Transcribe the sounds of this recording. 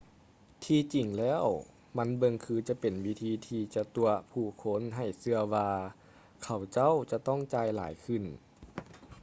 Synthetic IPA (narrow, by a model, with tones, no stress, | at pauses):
t̪ʰiː˧t͡ɕi˨˩ŋlɛː˧˥˩w | ma˧˥˨nbɤ˧ŋkʰɯː˧t͡ɕa˧˦pe˨˩nwi˦˥t̪ʰiː˧t̪ʰiː˧t͡ɕa˧t̪u˧ɐpʰuː˧˩kʰo˧˥˨nɦa˨˩jsɯ˧ɐwaː˧ | kʰa˧˨˩wt͡ɕa˥˩˨wt͡ɕa˧t̪ɔ˥˩˨ŋt͡ɕaː˧jla̰ː˨˦jkʰɯ˧˩˨n